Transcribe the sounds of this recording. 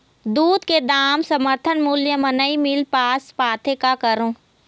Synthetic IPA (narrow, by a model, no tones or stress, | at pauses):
d̪uːd̪ked̪aːmsɐməɾt̪ʰənmuljəmɐnəimɪlpaːspaːt̪ʰekakəɾõː